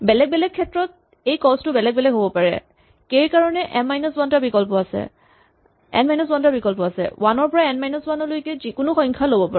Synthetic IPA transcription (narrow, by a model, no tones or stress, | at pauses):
bɛlɛɡ̚bɛlɛkʰːɛtɹɔt̚ | ejkɔstʊbɛlɛɡ̚bɛlɛɡɦobɔpaɹɛ̰ | kejkaɹɔnɛʔɛmajnɔswantabikɔlpɔasɛ̰ | ɛ̰nmajnɔswantabikɔlpɔasɛ̰wanɔɹpɔɹaɛnmajnɔswanɔlojkɛzikʊnʊxɔjŋkʰalobɔpa